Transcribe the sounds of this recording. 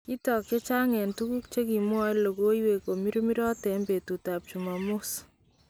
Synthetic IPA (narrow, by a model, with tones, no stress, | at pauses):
ki˦tɔ˨ke˦t͡ʃa˦ŋɛ˨ntu˦ku˦k̚t͡ʃe˦ki˨mwa˦jlo˨ko˦jwe˨ko˨mi˦ɾu˦mi˦ɾɔ˦tɛ˨mbe˨tu˨ta˨p̚t͡ʃu˨ma˨mo˦s